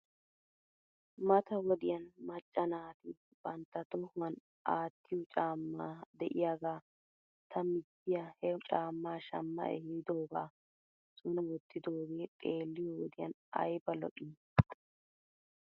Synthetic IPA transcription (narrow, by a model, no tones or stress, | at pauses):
mɐt̪ɐwɔd̪ɪjɐnmɐt͡ʃʼːɐnaːt̪ɪ | b̥ɐnt̪ːɐt̪ɔhʊɐn | ʔaːt̪ːɪjɔt͡ʃʼaːmːaːd̪ɛʔɪjaɡaː | t̪ʰɐmɪd̪ːɪjahɛt͡ʃʼaːmːaːʃɐmːɐ̰ʔɛ̰hid̪oːɡa̰ː | sʊnɐwɔt̪ːɪd̪oːɡe̞ːt̪ʼe̞ːlːɪjɔwɔd̪ɪjɐ̰n | ɐ̰jbɐlɔ̰ʔʼi